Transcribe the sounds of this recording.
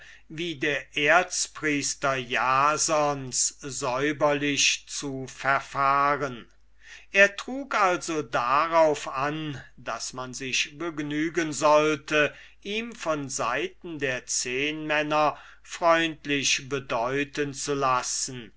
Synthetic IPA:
viːdeːɐʔeːɐt͡spʁiːstɐjaːzɔnszɔʏbɐlɪʃt͡sufɛɐfaːʁən | ʔeːɐtʁ̥uːkʔalzodaʁaʊfandasmanzɪʃbəɡnyːɡənzɔltə | ʔiːmfɔnzaɪtn̩deːɐt͡seːnmɛnɐ | fʁ̥ɔʏntlɪʃbədɔʏtənt͡sulasn̩

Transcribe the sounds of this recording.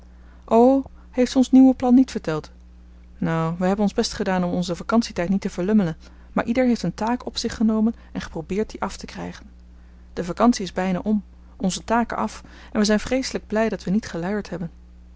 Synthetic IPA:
ʔow | hejftɔnsniwəplɑnːitfəɹtɛlˠt | nowʋəɦɛbənɔnzbɛstχədaːnɔmɔnzəvakɑnsitɛjtnitəvəɹlɵmələn | maːɹʔidəɹɦejftəntaːkɔ̰psɪχənowmən | ɛnχə̥prowbɪːɹt̚diʔɑftəkrɛ̰jχən | d̥əvakɑnsiɪzbɛjna̰ːʔɔm | ɔnzətaːkə̰ʔɑ̰f | ɛnʋəzɛjnfrejsələɡ̚blɛjdɑtʋənitχəlœɥəɹtɦɛbən

